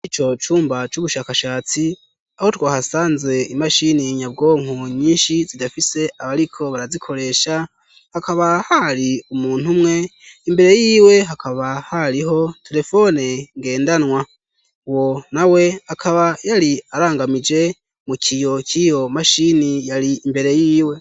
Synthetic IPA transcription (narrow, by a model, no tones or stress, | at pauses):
it͡ʃo̞t͡ʃuːmbat͡ʃuβuʃakaʃaːt͡si | aho̞twaːhasaːnzwe̞imaʃiniɲab̚ɡo̞ːŋ̥uɲiːnʃizidafise̞ʔaβaɾikʰo̞βaɾazikʰo̞ɾe̞ʃa | hakaβahaɾiumuːn̥humŋe̞ | imbe̞ɾe̞jiːwe̞ɦakʰaβahaɾiɦo̞tʰe̞ɾe̞fo̞neŋɡe̞ːndanwa | wo̞nawe̞akʰaβajaɾiaɾaːŋɡamid͡ʒe̞ | mukʰijo̞kʰijo̞maʃinijaɾiimbe̞ɾe̞jiːwe̞